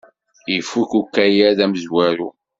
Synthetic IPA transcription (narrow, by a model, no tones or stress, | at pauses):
ifːukukːæjæðæməzwæɾṵ